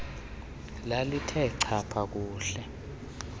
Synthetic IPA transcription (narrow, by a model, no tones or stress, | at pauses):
lalitʰɛǀʰapʰak̬uːɬɛ